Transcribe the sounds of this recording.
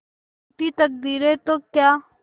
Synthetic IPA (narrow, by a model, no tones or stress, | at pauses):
ʈ̪it̪ək̚d̪iːɾet̪oːkjaː